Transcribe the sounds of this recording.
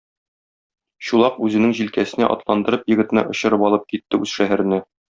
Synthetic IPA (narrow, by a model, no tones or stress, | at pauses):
ɕulˠɑqʉzɘ̆nɘŋʑilkæsɘ̆næ̰ʔɒ̰t̪lˠɑnd̪ɤ̆ɾɤpjɘ̆ɡɘ̆t̪̆nɤ̰ʔŏɕɤ̆ɾɤpɒlˠɤp̚kit̪ːɘʉzʃæɦæɾɘ̆næ